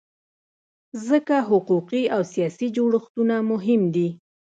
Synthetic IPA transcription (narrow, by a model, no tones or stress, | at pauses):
zəkaɦʊquqiawsijɑsid͡ʒoɽəxt̪unamʊɦɪmd̪i